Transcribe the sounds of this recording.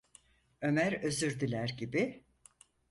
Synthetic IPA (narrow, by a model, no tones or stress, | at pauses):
ø̞mæɾø̞zyɾd̪ilʲæɾɟibi